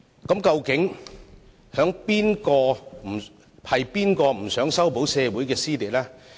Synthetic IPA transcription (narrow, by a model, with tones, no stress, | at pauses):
kɐ˨˥mkɐ˧wkɪ˨˥ŋ | hœː˨˥ŋpiː˥nkɔː˧m̩˨˩ | hɐ˨jpiː˥nkɔː˧m̩˨˩sœː˨˥ŋsɐ˥wpo˨˥wsɛː˧wuː˨˥jkɛː˧siː˥t̪iː˨˩t̚laː˦˥